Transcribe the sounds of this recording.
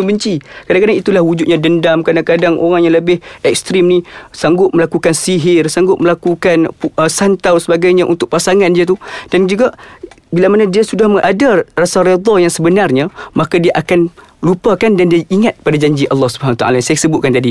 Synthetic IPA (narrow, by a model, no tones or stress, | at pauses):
əmbəɲt͡ʃikadaŋkadaŋit̪ulahwud͡ʒʊt̪̚ɲãdəndamkadaŋkadaŋʔo̰ɾaŋjaŋləbɪhɛk̚st̪ɾɪmnisaŋɡʊʔ̪̚məlakukansiɦɪrsaŋɡʊʔ̪̚məlakukanpəsant̪awsəbaɡajɲaʔunt̪ʊkʔ̚pasaŋandiat̪ud̥and͡ʒuɡaʔbilamanadiasudahməʔadarasaɾed̪ˤɔjaŋsəbənarɲamakadiaʔakan | lupakandandiaʔiŋat̪̚padad͡ʒaɲd͡ʒiʔɑlːɑhsubəɦanwat̪a̰a̰lajansajasəbʊt̪̚kant̪adi